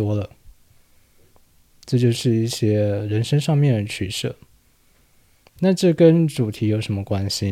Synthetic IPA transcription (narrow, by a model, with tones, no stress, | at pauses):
wɔ˥lə˨ | ʈ͡ʂɤ˥˧t͡ɕjo˥˧ʊʂɻ̩˥˧i˥˩ɕjɛ˥ɻə˧˥nʂə˥ŋʂɑ˥˧ŋmjɛ˥˩nɻə˧˥nt͡ɕʰy˨˩ʂɤ̰˥˩ | na˥˧ʈ͡ʂɤ˥˩kə˦˥nʈ͡ʂu˨˩t̪ʰi˨˥jo˧˥ʊʂə˧˥nmə˧kwa˥nɕi˧